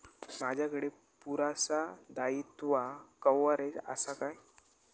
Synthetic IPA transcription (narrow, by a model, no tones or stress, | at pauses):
mad͡ʑʱjakəɽe | puɾasad̪ait̪ʋakəwaɾed͡za̰sakaj